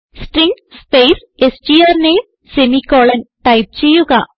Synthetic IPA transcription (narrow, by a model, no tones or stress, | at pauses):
sʈɾiŋɡ | speːs | esʈiɐɾneːm | semikoːlɐnʈɐɪp̚t͡ɕejuɣa